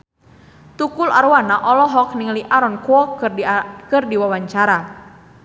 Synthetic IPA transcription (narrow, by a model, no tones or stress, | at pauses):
t̪ukula̰ɾwanaʔɔlɔɦɔkniŋliʔaɾɔnkuɔ | kɨrdiwawaɲt͡ʃaɾa